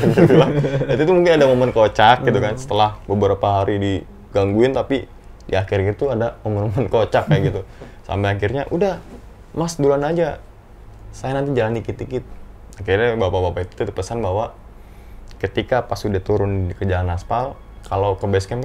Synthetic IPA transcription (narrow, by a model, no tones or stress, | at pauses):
əbulaant̪it̪umuŋkɪnadamomənkot͡ʃak̚ɡit̪ukansə̥t̪əlahbəbəɾapaɦaɾidi | ɡaŋɡuɪnt̪api | dḭaxɪɾit̪uadamomənmomənkot͡ʃakːaɡit̪u | sa̰mbajakɪrɲaʔudah | masdulanad͡ʒa | sajanant̪id͡ʒalandikit̪ikit̪ | akirɲabapabapait̪u̥t̪ut̪pəsanbawa | kət̪ikapasudaht̪uɾʊnikəd͡ʒalanaspal | kalokəbɛskɛnk